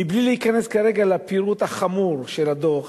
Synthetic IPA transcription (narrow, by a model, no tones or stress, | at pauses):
iblileikane̞skaʁe̞ɡalapiɾut̪haχamuʁʃelad̪oχ